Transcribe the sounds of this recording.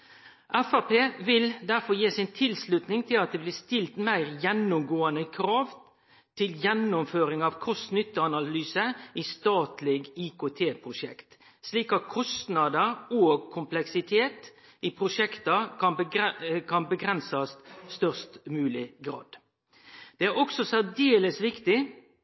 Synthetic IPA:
ʔæfɑpeːʋɪld̪æʁfɔjiːsɪnt̪ʰɪlslʉt̪nɪŋt̪ʰɪlɑt̪̚d̪ɛblɪːst̪ɪlt̪mæɪʁjɛnːʊmɡoːənəkʰɾɑːʋ | t̪ʰɪljɛnːʊmføːɾɪŋɑʋkʰɔst̪nʏt̪ːəɑnɑllyːsəʔiːst̪ɑːt̪lɪɡikʰoːt̪ʰeːpʰʁʊʃɛkt̪ | sliːkɑt̪̚kʰɔst̪nɑd̪əʁoːɡkʰʊmplɛksɪt̪ʰeːt̪ | ipʰɾʊʃɛkt̪ɑkɑnbkʰɑnbəɡɾɛnsɑst̪st̪œʁst̪mʉːlɪɡɾɑ̰ːd̪̥ | d̪̥ɛæʁɔksɔsæʁd̪eːləsʋɪkt̪ɪ

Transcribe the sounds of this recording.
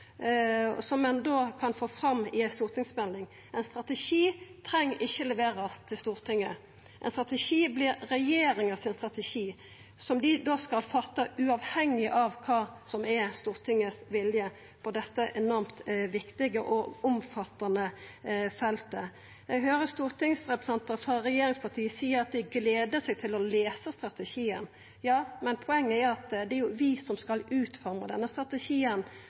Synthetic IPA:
ɔ̰sɔmːɛnd̪oːkʰɑnfoːfʁɑmːɪst̪uːʁt̪ɪŋsmɛlnɪŋ | ɛnst̪ɾʁɑt̪əʃiːt̪ʰɾɛŋːʔɪçːəlɛʋeːɾɑst̪ʰɪlst̪uːʁt̪ʰɪŋːə | ʔɛ̰nst̪ʁɑt̪əʃiːblɪɾɾɛjeːɾɪŋəsɪnst̪ɾʁɑt̪əʃiː | sɔmd̪ɪd̪oːskɑlfɑt̪ːəʉɑʋhɛŋːɪʔɑʋkʰɑːsɔmɛst̪uːʁt̪ʰɪŋəsʋɪljə | pʰɔd̪ɛt̪ːəʔɛnɔɾmt̪ʋɪkt̪ɪɡəʔɔʊmfɑt̪ːɑnəfɛlt̪ə | ɛɦøːɾəst̪uːɾt̪ɪŋsʁɛpɾəsɛnt̪əɾfɑɾɛjeːɾɪŋspʰɑʁt̪ʰiːəsiːəɾɑt̪̚d̪ɪɡleːd̪əsɛɡ̚t̪ʰɪlɔleːsəst̪ɾɑt̪əʃiːən | jɑːmɛnpʰʊɛŋːəæɾʊɑt̪d̪ɛɾjʊʋɪsɔmskɑlʉːt̪fɔɾmə̰d̪ɛnːəst̪ɾɑt̪əʃiːən

